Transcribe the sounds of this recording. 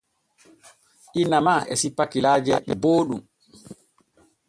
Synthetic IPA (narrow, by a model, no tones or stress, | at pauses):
ʔinːamaɛ̰sipːakilaːd͡ʒɛɛboːɗum